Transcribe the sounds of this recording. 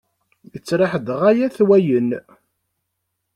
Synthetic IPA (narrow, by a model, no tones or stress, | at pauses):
jət͡sːɾˤɪħəd̪ʁæjæθwæjən